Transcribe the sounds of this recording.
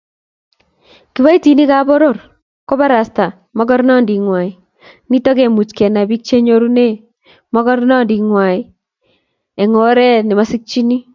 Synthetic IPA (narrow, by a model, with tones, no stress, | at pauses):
ki˨βa˦i˦ti˨ni˦ka˦bɔ˦ɾo˦˨r | ko˦βa˦ɾa˨sta˨ | mɔ˦kɔ˦ɾna˦˨ndi˨ŋwa˨i˨ | ni˦tɔ˦kɛ˨mu˨t͡ʃkɛ˨na˨bi˦k̚t͡ʃe˦ɲo˦ɾu˦ne˦ | mɔ˦kɔ˦ɾna˦ndi˨ŋwa˨i˨ | ɛ˨ŋo˨ɾɛ˦nɪ˨ma˦sɪ˦k̚t͡ʃi˦ni˦